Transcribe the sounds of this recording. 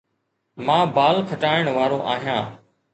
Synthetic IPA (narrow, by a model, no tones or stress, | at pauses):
mãːbaːlkʰəʈaːɪɽ̃ʋaːɾõːʔaːɦijãː